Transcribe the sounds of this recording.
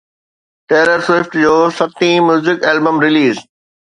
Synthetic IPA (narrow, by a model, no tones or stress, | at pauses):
ʈeːɾəɾswɪfʈd͡ʑoːsɐt̪ĩmjuːzɪkɛːlbə̃mɾɪliːz